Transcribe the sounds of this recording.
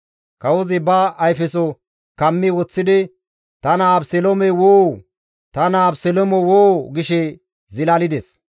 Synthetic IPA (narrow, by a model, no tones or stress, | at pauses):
kɐwɔzɪbɐɐjfɛsɔ | kɐmːɪwɔt͡sːɪd̪ɪ | t̪ɐnabsɛlɔmɛwoː | t̪ɐnabsɛlɔmɔwoːɡɪʃɛ | zɪlalɪd̪ɛs